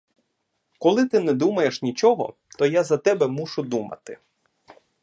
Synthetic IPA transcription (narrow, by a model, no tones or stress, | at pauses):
kɔlˠɪt̪ɪnɛd̪umɐje̞ʃnʲit͡ʃɔɦɔ̰ | t̪ɔjazɐt̪ɛbɛmuʃʊd̪umɐ̰t̪ɪ̰